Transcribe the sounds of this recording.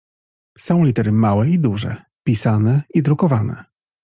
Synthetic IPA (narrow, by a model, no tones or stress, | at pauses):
sɔ̃w̃lʲit̪ɛɾɘmawɛid̪uʐɛ̰ | pʲisanɛid̪ɾukɔvanɛ̰